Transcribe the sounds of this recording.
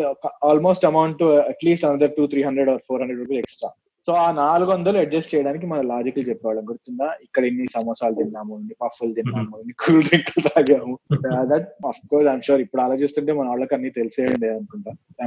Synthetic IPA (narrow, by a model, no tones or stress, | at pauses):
aːlmo̞ːsʈɐmɐwɳʈuɐʈliːsʈɐnɐd̪ɐɾʈuːt̪ʰɾiːɦɐndɾeɖɔːɾpʰoːɾɦɐndɾeɖʋɐɾkɐleksʈɾa̰ː | so̞ːaːnaːluɡʋɐnd̪ɐluɐʈ̚d͡ʒɐst͡ʃɛjɐɽaːnik̬imɐnɐlaːd͡ʒikɐlut͡ʃɛpːɛʋaɭɐnɡɐɽut̪und̪aːikːɐɽɐenːisɐmɔːsaːlt̪inːaːmuenːipɐfɐlt̪inːaːmuenːikʰuːlɖ̪iŋkɐlt̪aːɡaːmud̪ɐʈɐfkɔːɾsajmʃuːɾipːuɽɐlaːt͡ʃest̪uɳʈeːmɐnɐaːɭːɐkɐnːiːt̪eliseːɐɳɖeːd̪ɐnukuɳʈaːt̪a